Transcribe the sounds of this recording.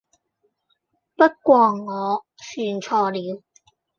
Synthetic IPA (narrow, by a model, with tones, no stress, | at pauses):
pɐ˥t̚kʷɔː˧ŋŋɔː˨˧ | syː˧nt͡ʃʰɔː˧liː˨˧w